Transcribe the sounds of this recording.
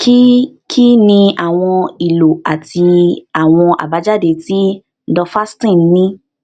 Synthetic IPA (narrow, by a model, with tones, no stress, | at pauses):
ki˦kʰi˦nĩ˧a˨w̃ɔ̃˧i˨lo˨a˨ti˧a˨w̃ɔ̃˧ʔa̰˨ba˨˦d͡ʒa˦˨de˧˨ti˦ | n̩˦dɔ˧fa˦stĩ˦˨n˦nĩ˦